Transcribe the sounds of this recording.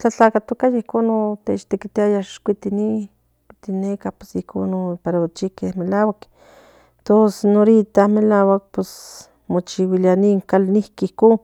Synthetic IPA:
t͡ɬat͡ɬakat̪okajaihkonot̪et͡ʃt̪ekit̪iajaʃkʷit̪ini | kʷit̪inekahpesihkonopaɾaot͡ʃikehmelawak | t̪osenoɾit̪ahmelaːwak̚pes | mot͡ʃiwilianiŋkalnihkihkoːn

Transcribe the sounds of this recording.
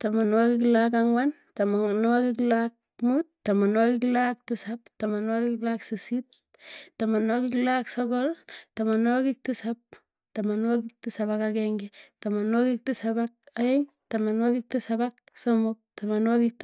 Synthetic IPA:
tamanwakiklak̬aŋwan | tamanwakiklak̚muttamanwakiklak̚tisaptamanwakiklaksisit̚ | tamanwakiklaksokɔltamanwakik̚tisap̚ | tamanwakik̚tisaβakakeŋɡitamanwakik̚tisabak̚ajeŋ | tamanwakik̚tisabak | somok̚tamanwakik̚t

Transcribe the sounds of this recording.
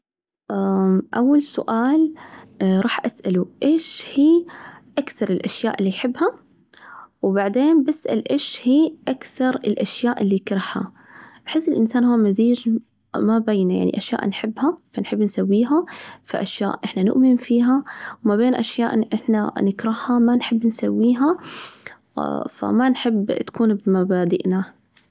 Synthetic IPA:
ʔaʔawːalsʊ̰ʔaːl | ɾˤɑːħʔasʔaluʔeːʃhiːʔakθɑɾˤɪlʔaʃja̰ːʔɪlːijħɪbːha | wbaʕd̪eːnbasʔa̰lʔeːʃhiːʔakθɑɾˤɪlʔaʃjaːʔɪlːikɾˤɪħha̰ | b̥ħɪsːɪlʔɪnsaːnhuːmaziːd͡ʒ | mabajnaja̰ʕnḭʔaʃja̰ːʔnħɪbːhafanħɪbːnsawːiːɦafa̰ʔaʃja̰ːʔʔɪħnanʊ̰ʔmɪmfiːɦawmabeːnʔaʃjaːʔʔɪħnanɪkɾˤɑhhamanħɪbːnsawːiːɦa | fa̰manħɪbːt̪ḁkuːnbmabaːd̪ɪʔna

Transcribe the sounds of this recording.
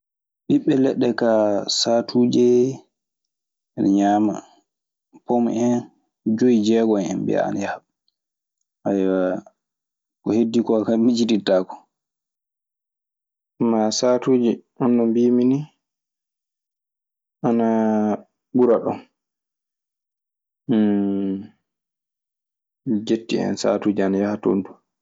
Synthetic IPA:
ɓiɓːɛlɛɗːɛkasatʰuːd͡ʒɛ | nɲaːma̰ | pomɛn | d͡ʒoid͡ʒɛɡɔɛ̰nbɛ̰a̰nɛha | ʔajwa | kɔhedːikɔkamid͡ʒiditaːkɔ̥ | masatuːd͡ʒiʔɔndɔmbiːmini | ʔana | buɾaɗɔ̰n | d͡ʒetːiɛ̰nsa̰ːtuːd͡ʒianajahato̰ndu

